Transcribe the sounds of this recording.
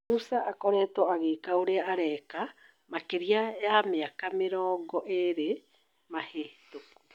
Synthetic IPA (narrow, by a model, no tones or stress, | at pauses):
usaʔakoɾɛːtoaɣekaoɾeaʔaɾɛka | makeɾiaeameakamɪɾɔːŋɡɔʔeɾe | maheto